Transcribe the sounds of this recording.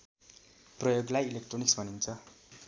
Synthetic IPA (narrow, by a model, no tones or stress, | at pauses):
prʌjoɡlajilekʈroniksbʱʌnint͡sʰʌ